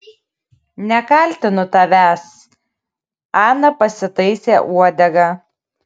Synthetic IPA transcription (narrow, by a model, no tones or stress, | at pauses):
nʲɛkɐlʲt̪ʲɪnʊt̪ɐʋʲæs | ɑːnɐpɐsʲɪt̪ɐɪsʲeːʔuɔd̪ʲɛɡɑ